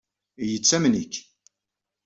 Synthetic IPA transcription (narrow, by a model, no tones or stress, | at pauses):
jət͡sːæmnikː